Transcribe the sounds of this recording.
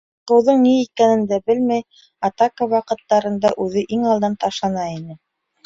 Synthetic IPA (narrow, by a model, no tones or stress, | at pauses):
qɤ̆wðɤɴniit̪̚kænɘ̆nd̪æbɘlmæj | ɑt̪ɑkəwɑqɤ̆t̪ːɑɾɤ̆nd̪ɑʔʉðɘʔiŋɑlˠd̪ɑnt̪ɑʃɑnɑinɘ